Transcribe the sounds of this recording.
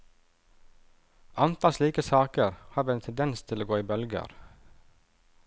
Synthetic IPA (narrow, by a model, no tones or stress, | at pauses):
ʔɑnt̪ʰɑlsliːkəsɑːkəɾhɑːʋɛnt̪ʰɛnd̪ɛnst̪ʰɪloːɡoːiːbœlɡə̰ɾ